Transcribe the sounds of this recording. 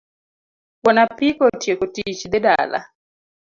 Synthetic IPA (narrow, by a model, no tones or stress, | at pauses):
wɔnapikɔtiɛkotit͡ʃid̪ɛda̰la̰